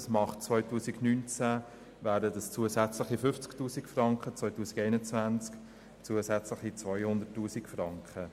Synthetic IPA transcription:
smɑχt͡svœʏtuːsiɡnynt͡sæ | væːdədəst͡suːəsæt͡sləχifʏft͡sktuːsikfrɑŋkχət͡sʋvœʏtuːsiɡɛɪnət͡svænt͡sk | t͡suːəsæt͡sləχit͡sʋœʏhʊndətːuːsikfrɑŋkχə

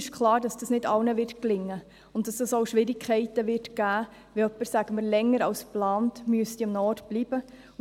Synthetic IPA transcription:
ɪʃkʰlɑːɾd̥ɑsd̥ɑsnɪdɑlnəʋɪrtklɪŋːə | ʊntd̥ɑsd̥ɑsoʊʃʋɪɾɪkʰɛɪtəʋɪrtɡ̥æː | ʋiœpːəɾsæɡ̥əməɾlɛŋːəɾɑlsplɑːntmyəst̪iɑmnɔtb̥liːb̥ə

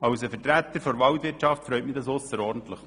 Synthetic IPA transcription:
ɑwsəfətɾæt̪ːəɾfɔɾʋɑwtʋɪɾtʃɑftfɾœʏtmid̪ɑsʊsəɾɔːɾdn̩t̪ləχ

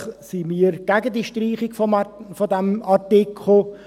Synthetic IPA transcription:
simiːɾɡ̥æɡəd̪iʃtriːχɪɡfɔfɔdɛmɑtɪkʰχll̩

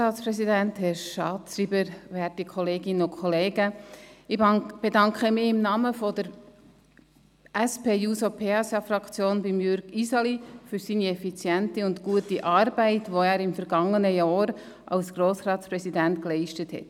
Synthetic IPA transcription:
ɑːtspɾɛsidænthɛɾʃɑːtsɾibəɾʋæːɾtikʰχɔleːɡɪnəʊkʰχɔleːɡəɪb̥edɑŋkχəmɪɪmnɑːməfɔdəɾ | æspeːjuːsopʰeɑsɑfrɑkt͡sjoːnbimjʏɾɡ̥isɑlifyɾsiːniɛfit͡sjæntiʊntkuətiʔɑːɾbæɪtʋoæːɾɪmfəɾɡ̥ɑŋːənəjɑːɾ | ʔɑ̰lsɡ̥ɾoːsrɑːtspɾɛsidæntklɛɪʃtəthɛ̰t

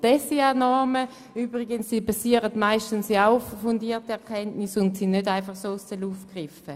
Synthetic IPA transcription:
d̥ɛsianɔɐmə | yːbʁiɡənssiːbasiːəʁətmaɪʃtənsiaʊffundiːɐtiɛɐkʰɛntnisʊntsinnːødaɪnfɑχsoːssøluːfɡ̥ʁɪfə

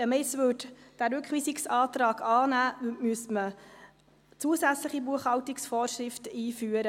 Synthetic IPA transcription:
əmɛsʋʏtd̥æːɾʉkχʋiːsɪksɑːtɾɑːɡɑːnæːvmyəsmə | t͡suəsæt͡sləχibuəχhɑwtɪksfɔːɾʃɾɪftəiːfyːəɾə

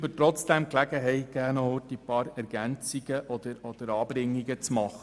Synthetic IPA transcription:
bətɾɔt͡sd̥ɛmklæɡəɦɛɪɡæːnɔotipɑːɾɛɾɡænt͡siɡ̥əʔɔd̪̥əɾɔd̪̥əɾɑːbɾɪŋːiɡət͡smɑχə

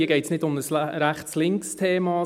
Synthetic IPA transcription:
iəɡeɪtsnɪdʊməsɾæχslɪŋkstʰeːmɑ

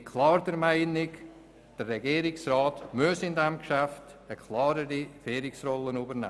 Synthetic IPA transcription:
kʰlɑːɾd̥əɾmaɪnɪk | d̥ərːɛɡiːɾɪksraːtmʉsɪndɛmkʃæftəkʰlɑːɾəɾifɛːɾɪksrɔlənuːbəɾnɛ̰ː

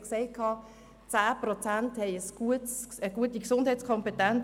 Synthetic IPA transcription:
kseɪkʰɑː | t͡saːprɔt͡santhɛɪəsɡ̥uətsəɡ̥uətiksʊnd̥hɛɪt͡sskʰɔmpetɛn

